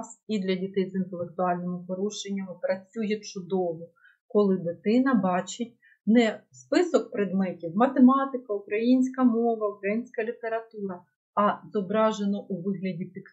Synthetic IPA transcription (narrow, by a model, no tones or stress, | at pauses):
sid̪lʲɐdʲit̪ɛjzint̪elˠek̚t̪ʊɑlʲnɔmʊpɔɾuʃenʲːɐmɪpɾɐt͡sʲujɛt͡ʃʊd̪ɔʋɔ | kɔlˠɪd̪ɪt̪ɪnɐbɑt͡ʃɪt̚ʲ | nɛspɪsɔk̚pɾed̪mɛtʲiwmɐt̪emɑt̪ɪkɐukɾɐjinʲsʲkɐmɔʋɐukɾɐjinʲsʲkɐlʲit̪e̞ɾɐt̪uɾɐ | ɐzɔbɾɑʒenɔʔuʋɪɦlʲɐdʲip̪ʲɪk